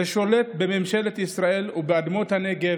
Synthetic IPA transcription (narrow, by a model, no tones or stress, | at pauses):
eʃo̞le̞t̪̚be̞me̞mʃe̞let̪isʁae̞lubead̪mo̞t̪hane̞ɡe